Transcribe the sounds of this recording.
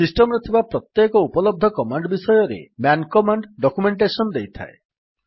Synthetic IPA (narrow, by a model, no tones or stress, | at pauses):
sisʈemɔɾet̪ʰibapɾɔt̪jekɔupɔlɔb̚d̪ʱɔkɔmaɳɖɔbisɔjɔɾḛmjankɔmaɳɖɖɔkumeɳʈesɔnɔd̪ejt̪ʰa̰e